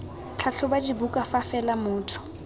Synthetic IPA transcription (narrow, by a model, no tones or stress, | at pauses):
t͡ɬʰaɬʰʊbad͡ʒibukʼafafɛlamʊːtʰʊ̥